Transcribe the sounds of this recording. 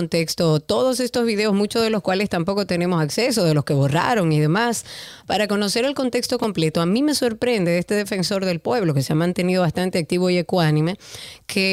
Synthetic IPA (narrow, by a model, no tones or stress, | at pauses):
nt̪ekst̪ot̪o̞ðose̞st̪ozβiðe̞o̞zmut͡ʃoðe̞lo̞skwale̞st̪ampo̞kot̪e̞ne̞mo̞sakse̞soðe̞lo̞ske̞βora̰ɾo̞ŋiðe̞maspaɾako̞no̞se̞ɾe̞lko̞nt̪e̞kst̪o̞ko̞mple̞t̪o̞amĩme̞so̞ɾpɾe̞nd̪e̞est̪e̞ðe̞fe̞nso̞ɾðe̞lpwe̞βlo̞ke̞seamãnt̪e̞niðo̞βast̪ant̪e̞ak̚t̪iβoiekwanĩme̞kʰe